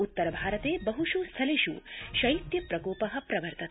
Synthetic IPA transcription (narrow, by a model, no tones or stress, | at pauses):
ut̪ːɐɾɐbʱaːɾɐt̪eːbɐɦuʃust̪ʰɐliʃṵʃɐjit̪jɐpɾɐkoːpɐɦɐ̆pɾɐʋɐɾt̪ɐt̪